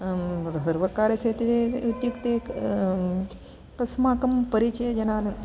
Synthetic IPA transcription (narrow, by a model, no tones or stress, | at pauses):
ɾɐsɐɾʋɐkaːɾɐseːt̪it̪et̪jukt̪eːk | pɐsmaːkɐmpɐɾit͡ʃɐjɐd͡ʒɐnaːn